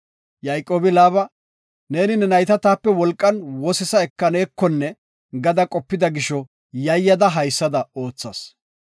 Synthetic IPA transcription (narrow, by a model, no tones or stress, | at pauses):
jɐjkʼo̞ːbɪlaːbɐ | ne̞ːnɪnɛnɐjt̪ɐt̪aːpːɛwɔlkʼːɐnwɔsɛsɐɛkːɐneːkːɔnːɛ | ɡɐd̪ɐkʼɔpːɪd̪ɐɡɪʃɔ | jɐjːɐd̪ɐɦɐjsːɐd̪ɐo̞ːt͡sːɐ̰s